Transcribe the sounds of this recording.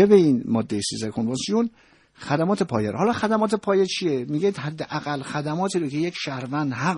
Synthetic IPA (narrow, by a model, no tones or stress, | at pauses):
ebeinmɒːd̪ːejesizækʰonvɑnsijon | xæd̪æmɒːt̪ʰe̞pʰɒ̰ːjeɾhɒlɒːxæd̪æmɒːt̪ʰepʰɒːjet͡ʃʰijemiɡed̪hæd̪ːeʔæɣælːxæd̪æmɒːt̪ʰiːɾocʰe̞jecʃæɾvænd̪hæ